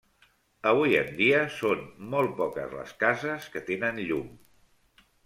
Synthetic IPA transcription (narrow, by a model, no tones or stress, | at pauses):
əβ̞ujə̰nd̪iəsonmɔl̚ˠpɔkə̰zlə̰skazəskət̪enənʎum